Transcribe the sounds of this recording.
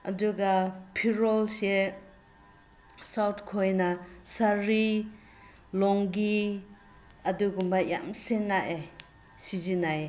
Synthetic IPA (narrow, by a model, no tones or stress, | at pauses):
ɐ̰duɡapʰiɾɔlse | sawtʰkʰojnasaɾi | lɔŋɡi | ɐduɡumbaja̰msenːaʔe | sizinaje